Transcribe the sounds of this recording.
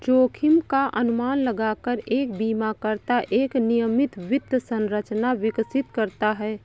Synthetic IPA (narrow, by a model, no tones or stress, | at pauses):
t͡ʃoːkʰɪmkaʔɐnʊmaːnləɡaːkəɾeːk̚biːmakəɾt̪aʔeːknijəmɪt̪ʋɪd̪əsə̃nɾət͡ʃnaʋɪksɪt̪kəɾt̪aɦɛː